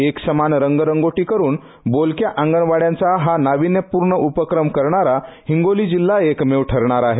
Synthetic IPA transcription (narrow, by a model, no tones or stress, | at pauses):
eksəmanɾəŋɡɾəŋɡoʈiːkəɾuːn | bolkjaʔãŋɡənʋaɽjãnt͡saɦanaʋinjəpuɾɳəʔupəkɾəmkəɾɳaɾahiŋɡolid͡ʑilːaekmeʋʈʰəɾɳaɾaɦe